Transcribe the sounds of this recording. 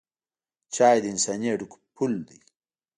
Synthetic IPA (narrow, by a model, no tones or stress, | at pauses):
t͡ɕaːjd̪insaneɖukpʰuld̪i